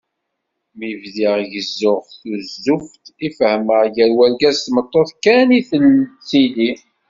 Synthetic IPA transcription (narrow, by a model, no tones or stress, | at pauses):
mivðiʁʝəzːʊʁθuzːuft̪ifəhməʕʝəɾwælɡæzt̪mət̪ˤːoθkːæniθəlsili